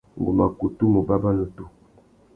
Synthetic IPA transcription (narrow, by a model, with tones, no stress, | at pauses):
ŋ˨ɡo˨ma˨ku˨tu˦mo˨ba˦ba˦no˨tu˦